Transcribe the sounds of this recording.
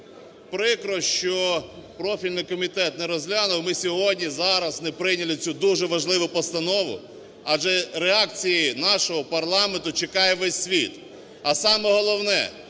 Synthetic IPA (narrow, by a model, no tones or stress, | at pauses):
pɾɪkɾɔʃt͡ʃɔpɾɔfʲilʲnɪjkɔmʲit̪ɛt̪nɛɾɔzʲlʲanʊwmɪsʲɔɦɔdʲnʲizɑɾɐsnɛpɾɪjnʲɐlʲˠɪt͡sʲud̪uʒɛʋɐʒlˠɪʋʊpɔst̪ɐnɔʋʊ̰ | ɑʒɛɾeɑkt͡sʲijinɑʃɔɦɔpɐrlˠɑment̪ʊt͡ʃekɑjɛʋɛsʲːʋʲit̪ | ɐsɑmɛɦɔlˠɔwnɛ̰